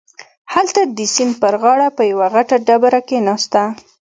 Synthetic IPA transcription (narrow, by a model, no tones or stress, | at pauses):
halt̪ad̪əsinpəɾɣɑɽapəjawaɣaʈaɖabaɾakenɑst̪a